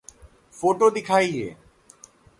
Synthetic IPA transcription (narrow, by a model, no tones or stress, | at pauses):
foʈod̪ikʰajḛ